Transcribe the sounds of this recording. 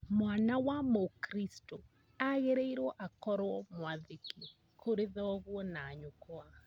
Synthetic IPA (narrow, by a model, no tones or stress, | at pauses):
mwanawamokɾisto | aɣeɾeiɾɔʔakɔɾwɔmwaðeke | kʰoɾeðɔɣwɔnaːɲokoa